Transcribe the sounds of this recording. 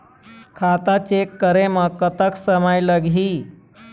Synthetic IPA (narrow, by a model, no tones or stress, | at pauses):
kʰat̪at͡ɕekːəɾeməkət̪əksəməjləɡʱiː